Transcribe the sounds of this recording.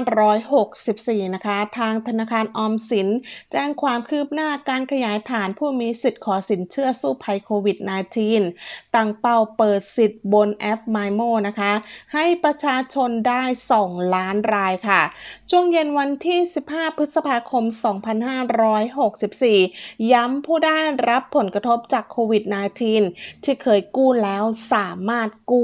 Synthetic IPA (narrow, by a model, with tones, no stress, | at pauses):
ɾɔː˦˥jho˨˩k̚si˨˩p̚siː˨˩na˦˥kʰa˦˥t̪ʰaː˧ŋt̪ʰa˧naː˧kʰaː˧nʔɔː˧msi˩˦nt͡ɕɛː˧˩ŋkʰwaː˧mkʰɯː˥˩p̚naː˥˩kaː˧nkʰa˧jaː˩˦jt̪ʰaː˩˦npʰuː˥˩miː˧si˨˩t̪̚kʰɔː˩˦si˩˦nt͡ɕʰɯ˥˩ɐsuː˥˩pʰa˧jkʰoː˧wi˨˩t̪̚na˧jt͡ɕʰiː˧nt̪a˨˩ŋpa˧˩wpɤː˨˩t̪̚si˨˩t̪̚bo˧nʔɛ˦˥p̚maː˧jmoː˥˩na˦˥kʰa˦˥ha˥˩jpɾa˧t͡ɕʰaː˧t͡ɕʰo˧ndaː˥˩jsɔː˩˦ŋlaː˦˥nɾaː˧jkʰa˥˩t͡ɕʰu˥˩əŋje˧nwa˧nt̪ʰiː˥˩si˨˩p̚haː˥˩pʰɯ˦˥sa˧pʰaː˧kʰo˧msɔː˩˦ŋpʰa˧nhaː˥˩ɾɔː˦˥jɦo˨˩k̚si˨˩p̚siː˨˩ja˦˥mpʰuː˥˩daː˥˩jɾa˦˥pʰːo˩˦nkɾa˧t̪ʰo˦˥p̚t͡ɕaː˨˩kʰːoː˧wi˨˩t̪̚naː˧jt̪ʰiː˧nt̪ʰiː˥˩kʰɤː˧jkuː˥˩lɛː˦˥wsaː˩˦maː˥˩t̪̚kuː˥˩